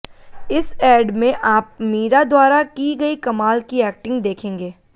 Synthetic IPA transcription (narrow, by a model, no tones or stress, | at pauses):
ɪsɛːɖmẽʔaːp̚miːɾad̪waːɾakiɡɐikɐmaːlkiɛːk̚ʈɪ̃ŋɡd̪eːkʰẽːŋɡeː